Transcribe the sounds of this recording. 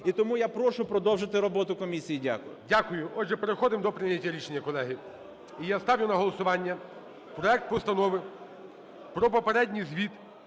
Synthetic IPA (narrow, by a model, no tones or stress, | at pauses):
it̪ɔmujapɾɔʃʊpɾɔd̪ɔwʒɪt̪ɪɾɔbɔt̪ʊkɔmʲisʲijidʲa̰kʊjʊ̰dʲakʊjʊʔɔdʒɛpeɾexɔd̪ɪmd̪ɔpɾɪnʲɐtʲːɐɾʲit͡ʃenʲːjɐkɔlˠɛɦɪ | ijast̪ɑʋʲjʊnɐɦɔlˠɔsʊʋɑnʲːɐ | pɾɔɛk̚t̪̚pɔst̪ɐnɔʋɪ | pɾɔpɔpeɾɛdʲnʲijzʲʋʲit̪